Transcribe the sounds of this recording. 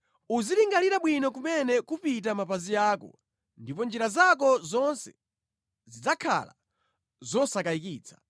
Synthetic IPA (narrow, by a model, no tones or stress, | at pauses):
uziliŋɡaliɾaɓwinɔk̬umɛnɛkupit̬amapazijaːkɔ̰ | ndipɔnd͡ʒiɾazak̬ɔzɔnsɛ | zid͡zakʰa̰la̰ | zɔsakaikiːt͡sʰḁ